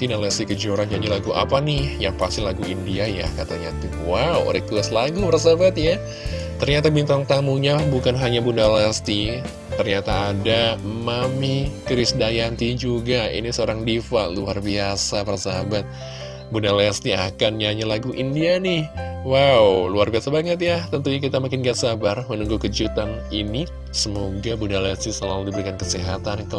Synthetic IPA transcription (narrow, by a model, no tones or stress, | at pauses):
t̪inalɛst̪ikəd͡ʒoɾanɲaɲalaɡuʔa̰panɪhjaŋpast̪ɪlaɡuindiaja̰hkat̪aɲat̪u | wawo̰ɾɛk̚t̪uaslaɡupəɾsabat̪̚ja | t̪ərɲat̪abint̪aŋt̪amuɲalahbukanɦaɲabunalɛst̪i | t̪ərɲat̪aːdamamikɾɪsdajant̪id͡ʒuɡaḭnisəoɾaŋdifa̰luarbiasaparasaabat̪̚ | bundalɛst̪ia̰kanjaɲalaɡuʔindianɪhwawluarbiasabaŋət̪̚jaht̪ənt̪uɲak̬it̪amakɪnɡatsabarmənuŋɡukəd͡ʒut̪an | ini | səmoɡabundalɛst̪isəlaludibəɾikankəsiɦa̰t̪ankə